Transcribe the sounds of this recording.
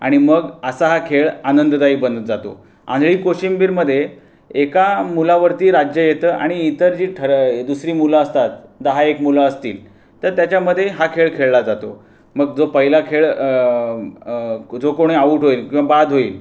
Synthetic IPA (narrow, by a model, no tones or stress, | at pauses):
a̰ɽ̃iməɡəsaɦakʰeɭanənd̪d̪aiːbənd̪d͡zat̪o̰ | ã̰nd̪ʱɭiːkoɕimbiːɾməd̪ʱːje | ekamulaʋəɾt̪iːɾad͡ʑjəjet̪əːʔa̰ɽ̃iːt̪əɾd͡ʑiːʈʰəɾd̪usɾiːmulaəst̪at̪d̪əɦaekmulaəst̪iːl | t̪əɾt̪jat͡ɕaməd̪ʱːjeɦakʰeɭkʰeɭlad͡zat̪o | məɡ̚d͡zopəɦilakʰeɭ | d͡zokoɽ̃iaʋuːʈɦoiːlkĩw̃ʋ̃abad̪ʱɦoiːl